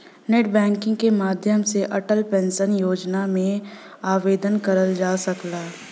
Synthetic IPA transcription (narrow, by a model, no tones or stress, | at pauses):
neʈ̚bɛ̃ːŋkɪ̃ŋɡ̚kemaːd̪ʱjəmseʔɐʈəlpɛ̃nsənjoːd͡ʒnamẽ | aːʋeːd̪ənkəɾəld͡ʒaːsɐklaː